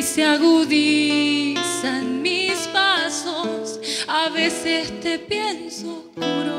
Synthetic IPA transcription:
seaɣuði | sanmispasosaβesest̪epjenso | kono

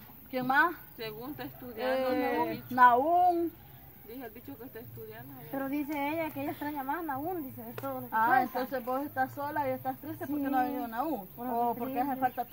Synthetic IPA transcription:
kemasseɣunt̪aest̪uðjanoanauŋ | d̪iheelbit͡ʃokest̪aest̪uðjand̪opeɾoðis̬eejakeeast̪ɾaɲamasnaund̪iseest̪oðooaent̪onsesbosest̪asolaiest̪ast̪ɾist̪eɾpoɾkenoenonauŋopoɾkesfalt̪at̪

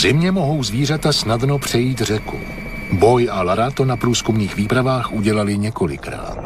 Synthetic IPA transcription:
zɪmɲɛmo̞ɦo̞wzviːrat̪asnadno̞pr̝̥ɛjiːt̪r̝ɛkṵ | bo̞jʔalaɾat̪o̞napɾuːskumniːxviːpɾavaːxʔuɟɛlalɪɲɛko̞lɪ̰kɾa̰ːt̪

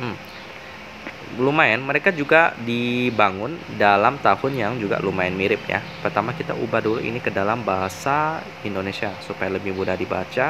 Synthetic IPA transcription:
lumaɛnməɾekad͡ʒuɡadibaŋʊndalamt̪ahʊnjaŋd͡ʒuɡa̰lumaɛnmiɾɪp̚ja̰ | pərt̪amakit̪a̰ʔubaduluʔḭnikədalambaɦasa | indonesiasupajaləbɪhmudadiba̰t͡ʃa

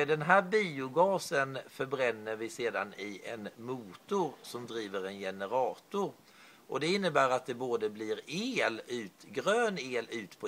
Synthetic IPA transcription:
d̪ɛnɦæːɾbiːʊɡɑːsənfœɾbɾɛnːəɾvɪseːd̪anɪʔɛnmuːt̪ʊɾsɔmd̪ɾiːvəɾɛnjɛnəɾɑːt̪ʊɾ | ʔɔd̪ɛɪnːəbæːɾat̪̚d̪ɛboːd̪əblɪɾeːlʉ̟ːt̪ɡɾøːneːlʉ̟ːt̪pʰɔ

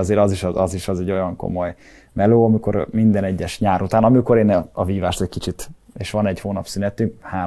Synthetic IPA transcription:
ɒzeːɾɒziʃɒziʃɒzɛɟːo̞jɒŋko̞̰mo̞j | mɛloːɒmiko̞ɾmind̪ɛnɛɟːɛʃɲaːɾut̪aːnɒmiko̞ɾeːnɛɒviːvaːʃt̪ɛckit͡ʃit̪ | eːʃʋɒnɛɟhoːnɒpsynɛt̪ːykhaː

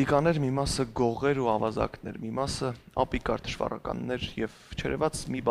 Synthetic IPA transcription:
ikɑnɛɾmimɑsəɡɔʁɛɾuɑvɑzɑ̰knɛɾmimɑsə | ɑpikɑɾd̪ə̥ʃvɑ̰rɑ̰kɑ̰nːɛɾjɛv | t͡ʃʰɛɾɛvɑt͡smib

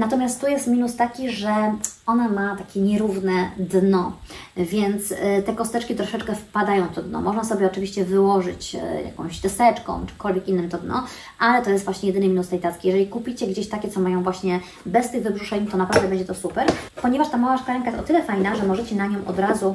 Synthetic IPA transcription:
nat̪ɔmʲjast̪t̪ujɛst̪mʲinust̪akʲiʐɛɔnamat̪akʲɛɲɛɾuvnɛd̪nɔvʲjɛnt̪st̪ɛkɔst̪ɛt͡ʂkʲit̪ɾɔʂɛt͡ʂkɛfpad̪ajɔ̃w̃ft̪ɔd̪nɔ̰mɔʐnasɔbʲjɛɔt͡ʂɘvʲiɕt͡ɕɛvɘwɔʐɘ̰t͡ɕja̰kɔ̰̃w̃ɕt̪ɛst̪ɛt͡ʂkɔ̰̃w̃t͡ʂɨ̥kɔlvʲjɛkinːɘmt̪ɔd̪nɔ̰ | ʔalɛt̪ɔjɛst̪vwaɕɲɛjɛd̪ɘnɘmʲinust̪ɛjd̪at̪kʲejɛʐɛlʲikupʲit͡ɕɛɡd͡ʑeɕt̪akʲɛt̪sɔmajɔ̃w̃vwaɕɲɛ | bɛst̪ɘɣvɘbʐuʂɛɲt̪ɔnapɾavd̪ɛbɛɲd͡ʑɛt̪ɔsupɛɾpɔɲɛvaʂt̪amawaʂkaɾɛŋk̬ajest̪ɔt̪ɘlɛfajnaʐɛmɔʐɛt͡ɕɛnaɲɔ̃w̃ʔɔ̰d̪ɾazu

